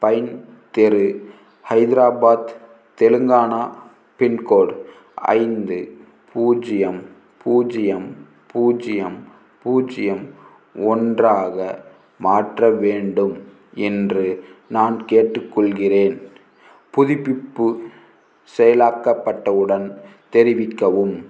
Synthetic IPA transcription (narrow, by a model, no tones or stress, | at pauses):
pɐjn | t̪ɛɾɯ | hɐɪðɪɾaːbaːd̪ | t̪ɛlɯŋɡaːnaː | pɪnkoːɽ | ɐ̰ɪnd̪ɯ | pʰuːd͡ʒɪjɐm | puːd͡ʒɪjɐm | puːd͡ʒɪjɐm | puːd͡ʒɪjɐm | ɔndraːɣɐ | maːʈrɐʋeːɳɖɯm | ɛndrɯnaːnkeːʈːɯkːɔɭɣɪreːn | pʊðɪpːɪpːɯ | sɛjɐlaːkːɐpːɐʈːɐɯɽɐnt̪ɛɾɪʋɪkːɐʋɯm